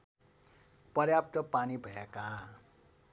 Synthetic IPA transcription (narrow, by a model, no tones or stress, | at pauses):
pʌɾjap̚t̪ʌpanibʱʌjakaɦã